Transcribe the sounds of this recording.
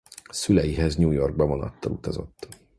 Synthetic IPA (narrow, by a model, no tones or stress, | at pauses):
sylɛjiɦɛzɲuːjo̞rɡ̚bɛvonɒ̰t̪ːɒlut̪ɒzo̞̰t̪ː